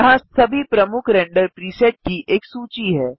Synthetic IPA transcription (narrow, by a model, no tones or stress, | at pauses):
ɦãsəbʱipɾəmukʰɾɛɳɖəɾpɾiseʈ̚kiːʔeksuːt͡ɕiɦɛː